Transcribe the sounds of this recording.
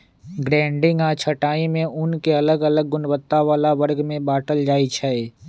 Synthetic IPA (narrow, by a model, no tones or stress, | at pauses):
ɡɾɛ̃ːɳɖɪ̃ŋɡat͡ʃʰəʈaːimẽʔʊnkeɐləɡɐləɡ̚ːʊnwət̪ːaʋaːlaʋɐɾɡmẽbaːʈəld͡ʒaːit͡ʃʰɛe